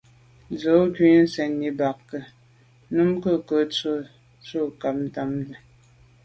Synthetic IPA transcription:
d͡zə˨˦ki˦n̩˦sɛ˨nːi˨ba˨kkə˨ | nu˦mkə˦˨kə˨˦t͡sə˦˨ | t͡sə˦˨ka˨p̚n̩˨ta˨mdə˨

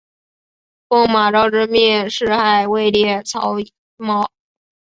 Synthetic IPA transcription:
kʊ˥˩ŋma˨˩ʈ͡ʂɑ˥˧ʊʈ͡ʂɻ̩˥˧mjɛ˥˧nʂɻ̩˥˧xa˨˩ɪwe˥˧ɪljɛ˥˩t͡sʰɑ̰˧˥ʊ | mɑ˧˥ʊ

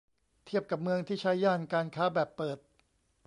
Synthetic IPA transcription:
t̪ʰi˥˩əp̚ka˨˩p̚mɯ˧əŋt̪ʰiː˥˩t͡ɕʰa˦˥jːaː˥˩nkaː˧nkʰaː˦˥bɛː˨˩pːɤː˨˩t̪̚

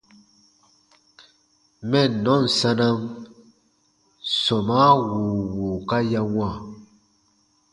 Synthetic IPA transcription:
mɛ˦˨nɔ˨˦˨n̩˨sa˦na˦m | sɔ˨ma˦wu˨wuː˨ka˦ja˦ŋwã˦˨

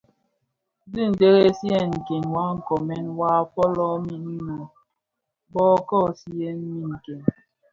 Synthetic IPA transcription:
dɨ˦˨n̩˨de˦ɣe˦si˦ɛ˦˨ŋ̩˨ke˨ŋwa˦ŋ̩˨kɔ˨mɛ˦nwa˦fɔ˦lɔ˦mi˨ni˦nɔ˨ | bɔː˦kɔ˦˨si˦je˦n˦mmi˨ŋ̩˨ke˨ŋ

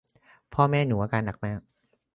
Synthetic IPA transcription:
pʰɔː˥˩mɛː˥˩nuː˩˦ʔaː˧kaː˧nːa˨˩k̚maː˥˩

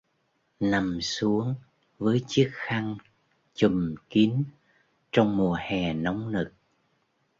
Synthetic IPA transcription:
na˨˩msu˨˦əŋ | vəː˨˦jt͡ɕɨ˦˥ək̚xa˧ŋ | t͡ɕu˨˩mki˨˦ən | t͡ɕɔ˧wŋ͡mmu˨˩əhɛ˨˩nɔ˨˦wŋ͡mnɨ˨˩k̚

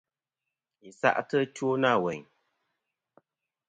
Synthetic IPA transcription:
i˨sa̰˦ʔtə˦two˦na˦˨wɛ˨ɲ

